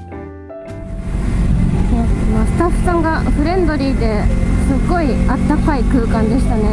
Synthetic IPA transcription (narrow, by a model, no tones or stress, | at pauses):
soonosɨ̥t̪aɸɯ̟̥sãŋɡaɸɯ̟ɾẽ̞nd̪o̞ɾʲiːd̪e̞sɨɡo̞iat̪ːakaikɯ̟ːkãnd̪e̞ɕi̥t̪ane̞